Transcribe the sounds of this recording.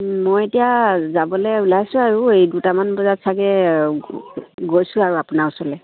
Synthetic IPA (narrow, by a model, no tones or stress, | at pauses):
mojetijazabɔlɛulajsʊ̃aɹuejdutamanbɔzatsaɡɛ | ɡojsʊ̃aɹuapunausɔlɛ